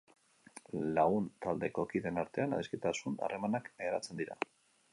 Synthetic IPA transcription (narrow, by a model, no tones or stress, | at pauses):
laɣunt̪ald̪e̞ko̞kiðe̞naɾt̪e̞ana̰ðiske̞t̪asuna̰re̞manakɾat͡se̞nd̪iɾa̰